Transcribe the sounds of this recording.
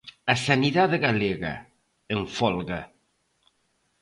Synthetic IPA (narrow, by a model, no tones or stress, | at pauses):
asaniðaðɣaleɣa̰ | eɱfɔlɣa